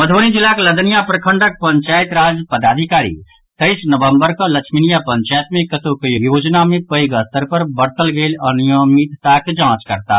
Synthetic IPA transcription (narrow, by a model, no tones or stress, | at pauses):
məd̪ʱoːnid͡ʒɪlaklɐd̪ənijapɾɐkʰə̃ɳɖək̚pɐ̃ɲt͡ʃaːɪt̪ɾaːd͡ʒpəd̪aːd̪ʱɪkaːɾḭ | t̪əɪsnəʋə̃mbəɾkolɐkʃminijapə̃ɲt͡ʃaːjt̪mẽkət̪okjjoːd͡ʒnamẽpəiɡəst̪əɾpɐɾbɐɾt̪əlɡeːlɐnijəmit̪ːakd͡ʒãːt͡ʃkɐɾt̪a̰